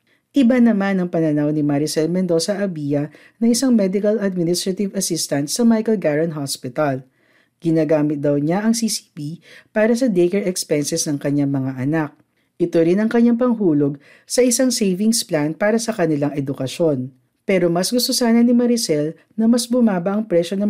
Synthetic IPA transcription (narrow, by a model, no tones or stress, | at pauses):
ʔɪbanɐmanɐŋpɐnɐnawnɪmɐɾɪsɛlmɛnd̪o̞sɐʔɐbiːjɐ | nɐʔɪsaŋmɛd̪ɪkɐlɐd̪̚mɪnɪst̪ɾɐt̪ɪvɐsɪst̪ɐnt̪sɐmajkɐlɡaɹɐnɦaspɪt̪ɐl | ɡ̥ɪnaːɡaːmɪt̪̚d̪ɐwɲaʔɐŋsiːsi̥pipaːɾɐsɐd̪ejkɛɹɛkspɛnsɛsnɐŋkɐɲaŋmɐŋaʔɐnak̚ | ʔɪt̪oɾɪnɐŋkɐɲːaŋp̬ɐŋɦuːlo̞ɡ̚ | sɐʔɪsaŋsejvɪŋsplanpaːɾɐsɐkɐnɪlaŋʔɛd̪ʊkɐʃo̞n | pɛːɾo̞mɐsɡʊst̪o̞saːnɐnɪmɐɾɪsɛl | nɐmɐsbʊmaːbɐʔɐŋpɾɛʃonɐ